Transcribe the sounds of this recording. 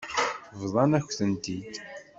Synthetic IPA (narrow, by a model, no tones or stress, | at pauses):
vðˤɑnæçʷθənt̪id̪